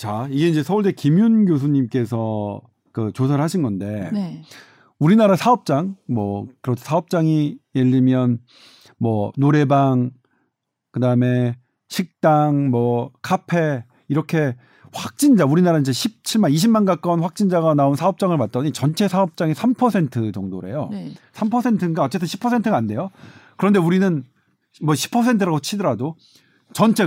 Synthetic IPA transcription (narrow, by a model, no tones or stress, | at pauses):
t͡ɕaiɡe̞ind͡ʑe̞sʰʌuɭd͡ʑekimjunɡjos̬ʰuɲimk͈e̞s̬ʰʌ | kɯt͡ɕosʰaɾɯɭɦaɕʰinɡʌnde̞ | uɾinaɾasʰaʌp̚t͡ɕ͈aŋmwʌ̰kɯɾʌtʰo̥sʰaʌp̚t͡ɕ͈aŋijeʎːimjʌn | mwʌnoɾe̞baŋ | kɯdaɯme̞ | ɕʰik̚t͈aŋmwʌkʰapʰe̞ | iɾʌkʰe̞ | ɸwak̚t͡ɕ͈ind͡ʑauɾinaɾaind͡ʑeɕʰip̚t͡ɕʰiɭmaniɕ̬ʰimanɡak͈ʌnɸwak̚t͡ɕ͈ind͡ʑaɡanaonsʰaʌp̚t͡ɕ͈aŋɯɭpat̚t͈ʌɲit͡ɕʌnt͡ɕʰe̞sʰaʌp̚t͡ɕ͈aŋesʰampʰʌsʰe̞ntʰɯt͡ɕʌŋdo̰ɾe̞̰jo̰sʰampʰʌsʰe̞ntʰɯnɡaʌtt͡ɕ͈e̞t̬͈ʰɯɕʰi̥pʰʌsʰe̞ntʰɯɡaːnde̞jokɯɾʌnde̞uɾinɯn | mʌɕʰi̥pʰʌsʰe̞ntʰɯɾaɡot͡ɕʰidɯɾado | t͡ɕʌnt͡ɕʰe̞